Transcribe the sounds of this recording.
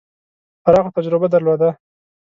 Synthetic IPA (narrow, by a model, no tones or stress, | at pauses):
paɾɑxot̪ad͡ʒɾɪbad̪aɾlod̪a